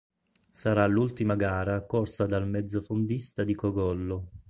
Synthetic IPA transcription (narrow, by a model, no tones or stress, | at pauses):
saɾalult̪imaɡaːɾakorsad̪almɛd̪zːofond̪ist̪ad̪ikɔɡɔlːo